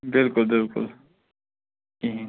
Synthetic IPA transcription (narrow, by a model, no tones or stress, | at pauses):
bɪlkʊlbɪlkʊ̰l | ĩ